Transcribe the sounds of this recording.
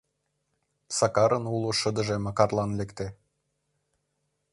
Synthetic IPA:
sɑkɑɾənuloʃə̆d̪ə̆ʒemɑkɑrlɑnlekt̪e

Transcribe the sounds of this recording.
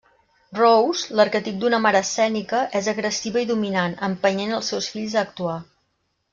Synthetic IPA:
rowzləɾkət̪ip̚d̪unəmaɾəːsɛnikəʔɛzəɣɾəsiβəiðuminanəmpəɲenəlˠsɛwsfiʎzəːk̚t̪ua

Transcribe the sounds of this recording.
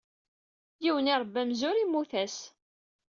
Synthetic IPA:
jiwənɪɾˤbːæmzʊɾimːuθæs

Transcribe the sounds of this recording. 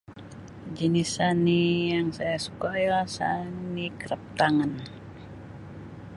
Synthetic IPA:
d͡ʒənisanijaŋsajasu̥kajalsa̰nikəɾəp̚t̪aŋan

